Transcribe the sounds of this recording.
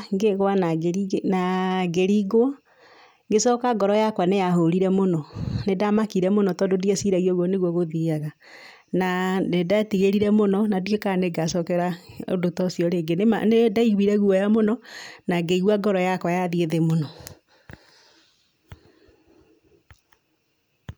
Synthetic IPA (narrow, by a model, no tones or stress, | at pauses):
ŋɡeɣwanaɡeɾinaɡeɾiɣwɔ | ŋɡesɔkaɡɔɾɔjakwanejahoɾiɾɛmonɔnedamakiɾɛmonɔtɔːdodiasiɾaɣiɔɣwɔneɣwɔɣoðiaɣa | naedatiɣeɾiɾɛmonɔnadwekaneɡasɔkɛɾao̰dotɔsiɔɾeɡenema̰nedaiɣwiɾɛɣuɔjamonɔnaɡeiɣwaɡɔɾɔjakwajaðieðemonɔ